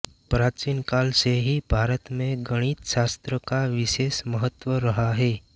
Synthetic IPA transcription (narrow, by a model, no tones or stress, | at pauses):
pɾaːt͡ʃiːnkaːlseɦibʱaːɾət̪mẽɡəɽ̃iːt̪ʃaːst̪ɾəkaʋɪʃeːsməɦət̪ːwəɾəɦaɦɛː